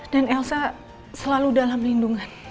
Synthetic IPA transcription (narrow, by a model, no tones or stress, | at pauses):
d̥anɛlsa | səlaludalamlinduŋan